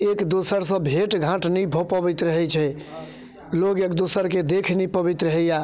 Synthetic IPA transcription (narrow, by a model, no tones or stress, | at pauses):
ekd̪osəɾsə̃bʱeʈɡʱãʈnibʱopəbit̪ɾəɦɛt͡ʃʰɛ | loɡekd̪osəɾked̪ekʰnipəbit̪ɾəɦɛja